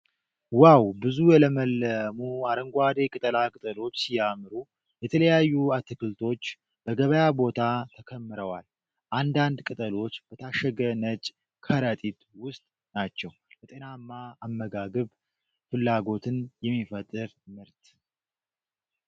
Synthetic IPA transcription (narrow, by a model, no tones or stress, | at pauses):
wawbɨzujɛləməlːəmuaɾəŋɡʷad̪e̞kʼɨt̪ʼəlakʼɨt̪ʼəlo̞t͡ʃːsijamɨɾu | jɛt̪ʰələjajːuat̪ʰːɨkɨlt̪ʰo̞t͡ʃː | b̥əɡəβəjabo̞t̪ʰat̪ʰəkʰəmːɨɾəwal | ʔand̪and̪kʼɨt̪ʼəlo̞t͡ʃːb̥ət̪ʰaʃəɡənət͡ʃʼ | kʰəɾət̪ʼit̪wʊst̪ʼ | nat͡ʃːɛwbət̪ʼe̞namːaːmːəɡaɡəβ | fɨlːaɡo̞t̪ʰɨnjɛmːifət̪ʼːɨɾmɨɾt̪